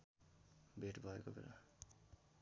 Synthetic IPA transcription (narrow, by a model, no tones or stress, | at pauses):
bʱeʈbʱʌekobḛla̰